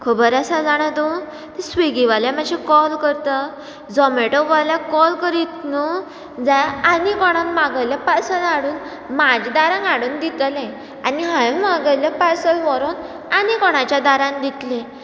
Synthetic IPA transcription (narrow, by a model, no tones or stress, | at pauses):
kʰəbəɾasad͡zaɽ̃ad̪õ | t̪esʋeɡiʋaljamad͡ʑʱekɔlkəɾt̪ə | d͡zɔmeʈɔʋaljakɔlkəɾit̪nu | d͡zajanikɔɽ̃ãnmaɡəjljapasənaɽuːn | mad͡ʑd̪aɾãŋaɽuːnd̪it̪lẽ | aniɦãjmaɡəjljapasəlʋɔɾon | anikɔɽ̃at͡ɕjad̪aɾãnd̪it̪lẽ